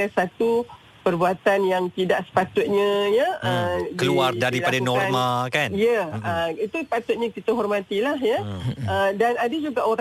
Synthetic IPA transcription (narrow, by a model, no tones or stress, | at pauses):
asat̪u | pərbuat̪anjaŋt̪idaʔsə̥pat̪ʊt̪̚ɲə̃jəəkəluardaɾiladanɔrmakanjəəit̪usəpat̪ʊt̪̚ɲə̃kit̪əɦɔrmãt̪ilahjəədanadad͡ʒuɡaʔoɾ